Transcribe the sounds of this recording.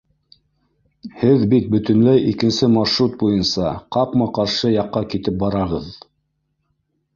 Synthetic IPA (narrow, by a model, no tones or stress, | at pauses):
hɘðbit̪̚bɵ̆t̪ɵ̆nlæjʔikɘ̆nsɘmɑʃɾut̪̚bujɤnsɑqɑpmɑqɑɾʃɤjɑqːɑkit̪ɘp̚bɑɾɑʁɤð